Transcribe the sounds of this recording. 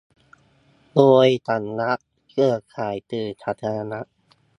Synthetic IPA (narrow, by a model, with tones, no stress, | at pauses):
loː˧jt̪ʰa˨˩nːa˦˥ʔ | kʰɯ˧˩ɐkʰaː˨˩˦jt̪ɯː˧˩t̪ʰa˧˩t̪ʰːa˧a˧na˦˥ʔ